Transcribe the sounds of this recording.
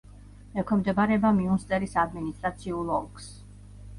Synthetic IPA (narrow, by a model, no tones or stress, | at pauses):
ɛkʰɛmd̪ɛbaɾɛbamiunst̪ʼɛɾisad̪minist̪ʼɾat̪sʰiulˠɔlˠkʰs